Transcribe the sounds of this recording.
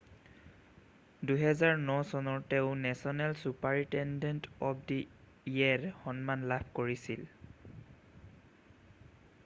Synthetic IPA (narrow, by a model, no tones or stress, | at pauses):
duɦɛzaɹnɔsɔnɔɹtɛʊ̃nɛsɔnɛlsupaɹitɛndɛntɔp̚ʰdi | iɛɹxɔnmanlab̚ʰkoɹisil